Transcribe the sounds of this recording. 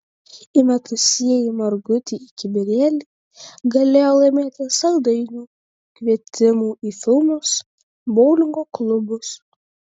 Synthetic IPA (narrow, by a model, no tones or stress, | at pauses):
imʲɛt̪ʊsʲiɛjimɐɾɡʊt̪ʲiːɪkʲɪbʲɪɾʲeːlʲi | ɡɐlʲeːjolˠɐɪmʲeːt̪ʲɪsɐld̪ɐɪnʲuː | kʲʋʲiɛt̪ʲɪmuːʔiːfʲɪlˠmos | bɔʊlʲɪŋɡoːklˠʊbʊs